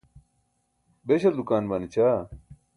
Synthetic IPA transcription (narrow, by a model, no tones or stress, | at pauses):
beɕɐld̪ukaːnbɐnit͡ɕʰa